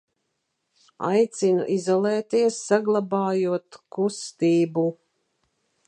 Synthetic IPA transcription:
a̰jt̪sinṵʔizɔlˠɛːt̪iɛsːaɡlˠabaːjuɔt̪kust̪iːbu

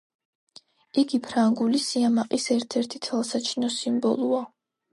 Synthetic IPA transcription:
iɡipʰɾaŋɡulisiamaqʼisɛɾt̪ʰɛɾt̪ʰit̪ʰɛlˠsat͡ʃʰinɔsimbɔ̰lˠua

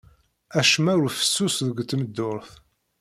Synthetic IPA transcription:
æʃmæʊɾfə̥sːusðəɡt̪ːməd̪ːʊɾθ

